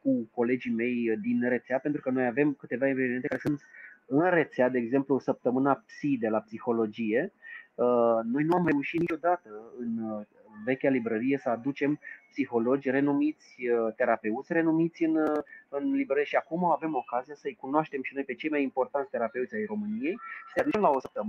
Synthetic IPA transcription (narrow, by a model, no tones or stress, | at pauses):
kuko̞le̞d͡ʒime̞jd̪inre̞t̪seape̞nt̪ɾukəno̞jave̞mkɨt̪e̞vaiveviment̪ekaɾesɨnt̪ɨnre̞t̪sead̪e̞ːɡze̞mplusəp̚t̪əmɨnapsid̪e̞lapsixo̞lo̞d͡ʒije̞əno̞jnuamre̞uʃit̪nit͡ʃo̞d̪at̪əɨn | ve̞kʲalibɾəɾije̞səad̪ut͡ʃe̞mpsixo̞lo̞d͡ʒʲre̞numit̪sʲət̪e̞ɾape̞ut̪sʲre̞numit̪sʲɨnɨnlibɾəɾijeʃiakumaave̞mo̞kazijasəɨjkunoaʃt̪e̞mʃino̞jpe̞t͡ʃe̞jmajimpo̞rt̪ant̪sʲt̪e̞ɾape̞ut̪sʲajro̞mɨnije̞jʃi̥sead̪ut͡ʃemlaosəp̚t̪əmɨ